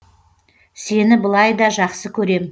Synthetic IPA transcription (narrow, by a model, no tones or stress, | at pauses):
se̞nɪbəlˠɑjd̪ɑʒɑqsəkʲʰɵɾe̞m